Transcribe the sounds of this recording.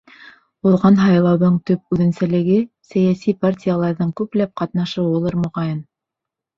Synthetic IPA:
ulˠʁɑnɦɑjlˠɑwðɤɴt̪ɵp̚ʉðɘ̆nsælɘ̆ɡɘ | sæjæsipartʲijalˠɑɾðɤɴkʉplæp̚qɑt̪nɑʃɤwŭlˠɤɾmŏʁɑjɤn

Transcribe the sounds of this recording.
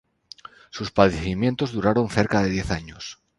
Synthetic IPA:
suspaðeθimjent̪ozðuɾaɾonθeɾkað̞e̞ð̞jeθaɲos

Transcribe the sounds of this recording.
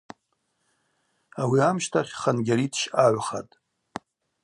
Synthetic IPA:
awiamʃtʰaχʲχanɡʲaɾitʰʃaʕʷχa̰tʼ

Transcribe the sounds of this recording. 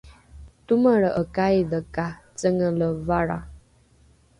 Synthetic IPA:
t̪uməɭəʔəkajd̪əkat͡səŋələvaɽa̰

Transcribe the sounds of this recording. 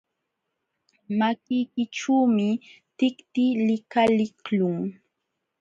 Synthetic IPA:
makɪjkɪʈ͡ʂuːmɪ | t̪ɪkt̪ɪlɪkalɪklʊŋ

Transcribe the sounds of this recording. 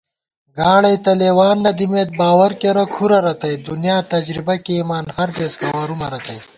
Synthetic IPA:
ɡaːɽɐjt̪ɐleːwaːnːɐd̪imeːt̪̚baːwɐɾkeɾɐkʰuɾɐɾɐt̪ɐjd̪unjaːt̪ɐd͡ʒɾibɐkemaːnhɐɾd̪eːskɐwaːɾumɐɾɐt̪ɐj

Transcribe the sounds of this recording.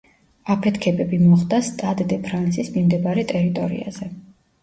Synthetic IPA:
apʰɛt̪ʰkʰɛbɛbimɔχd̪ast̪ʼad̪d̪ɛpʰɾant̪sismimd̪ɛbaɾɛt̪ʼɛɾit̪ʼɔɾḭa̰z̥ɛ

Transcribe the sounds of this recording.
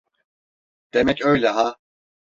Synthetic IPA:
d̪̥emɛcø̞jlʲɛɦa

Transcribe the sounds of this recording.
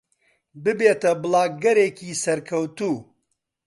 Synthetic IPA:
bɨbeːt̪ɐbɨlˠɑːɡɐɾeːkiːsɐɾkʰɐwt̪uː

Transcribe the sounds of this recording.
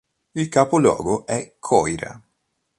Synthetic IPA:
ilkaːpolɔ̰ːɡoʔɛkʰːɔjɾa̰

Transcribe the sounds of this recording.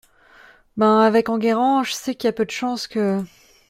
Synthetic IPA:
bãavɛkɑ̃ɡʲeʁɑ̃ʒəsɛkiljapød̪əʃɑ̃skə

